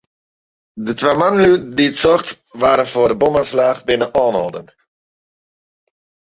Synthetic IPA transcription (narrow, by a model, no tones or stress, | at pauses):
dətʋamanəlydiətsɔχt | ʋaːɾənfʊːrdəbɔmanslaːχbɪnəʔɔːnɔ̰lˠdən